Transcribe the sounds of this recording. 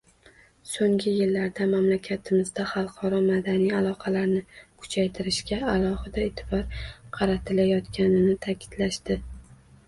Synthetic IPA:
soŋɡʲɪjɪlːaɾd̪amamlakʲʰat̪ʰɪmɪzd̪aχɑlˠqʰɒɾɒmad̪anijalˠɒqʰɑlaɾnɪkʰʊ̥t͡ʃʰajt̪ʰɪɾɪʃkʲaːlˠɒhɪd̪aet̪ʰɪ̥bɒɾqʰɑɾat̪ʰɪlajɒt̪kʲanɪnɪt̪ʰakʲʰɪ̥d̪laʃd̪ɪ

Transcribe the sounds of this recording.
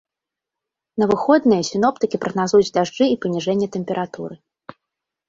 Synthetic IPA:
nɐvɨxɔd̪nɨjɐsʲin̪ɔp̚t̪ɨkʲipɾɐɣnazujud͡zʲd̪aʐd͡ʐɨipɐnʲiʐɛnʲːɛt̪ɛmʲpʲɛɾʔat̪ṵɾɨ

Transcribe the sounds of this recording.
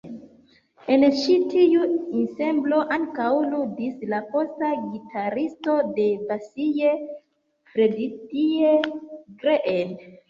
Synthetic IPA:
e̞nt͡ʃitiuinse̞mblo̞ʔaŋkawludislapo̞staɡitʰaɾisto̞de̞basije | fɾeditieɡɾeʔen

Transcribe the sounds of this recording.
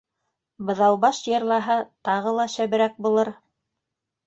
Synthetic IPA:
bɤ̆ðɑw̪ˠbɑʃjɤ̆ɾlˠɑɦɤt̪ɑʁɤlˠɑʃæβɘ̆ɾæk̚bulˠɤɾ

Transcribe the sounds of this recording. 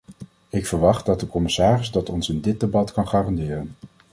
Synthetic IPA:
ɪkfəɹʋɑχt̚dɑt̚dəkɔmɪsaːrɪzdɑtɔnsɪndɪd̚debɑtkɑnχaːrɑndɪːrən

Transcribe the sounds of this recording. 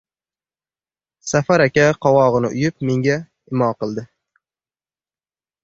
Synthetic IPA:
safaɾakʲaqʰɒwɒʁɨnɪ̰ʔʊ̰jɪp̚me̞ŋɡʲa | ɪmɒqɨlˠd̪ɪ

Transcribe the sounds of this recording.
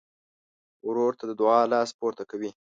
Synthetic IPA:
ɾoɾt̪ad̪əd̪ʊɑlɑspoɾt̪akawi

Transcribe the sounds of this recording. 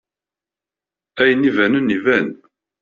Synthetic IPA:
æjənivænunːivæn

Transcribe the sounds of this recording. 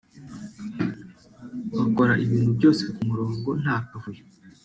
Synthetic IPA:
wako̞ɾaʔiβiːn̥hubɟo̞ːse̞kumuɾo̞ːŋɡo̞n̥haːkavuje

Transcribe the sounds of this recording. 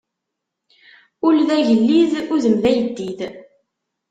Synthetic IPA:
ulðæʝəlːiðuðəmðæjəd̪ːið

